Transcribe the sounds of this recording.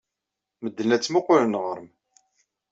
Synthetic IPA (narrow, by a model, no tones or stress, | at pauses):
məd̪ːənæt͡sːmoqʊlənʁəɾm